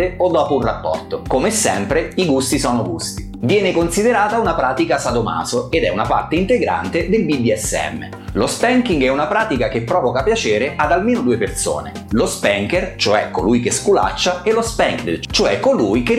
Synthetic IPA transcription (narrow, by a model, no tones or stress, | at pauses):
eod̪ːɔːpounrapːɔ̰rt̪okomesːɛmpɾeiɡust̪isɔːnoɡṵst̪i̥ | vjɛːnekonsid̪eɾaːt̪aunapɾaːt̪ikasad̪oma̰ːsoed̪ɛunapa̰rt̪eint̪eɡɾa̰nt̪ed̪elbid̪iɛsːeɛ̰mːḛ | lospɛŋkiŋɡɛunapɾaːt̪ikak̟epːɾɔːvokapjat͡ʃɛːɾeʔad̪almeːnod̪uːeperso̰ːnḛ | lospɛŋkert͡ʃoɛkːo̰lujkeskula̰t͡ʃːaelospɛŋkt͡ʃoɛkːolujke